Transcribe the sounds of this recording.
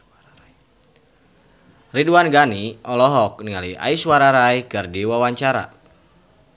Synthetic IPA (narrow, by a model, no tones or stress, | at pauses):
riduanɡaniʔɔlɔɦɔk̚niŋalia̰iswaɾaɾajkɨrdiwawaɲt͡ʃaɾa̰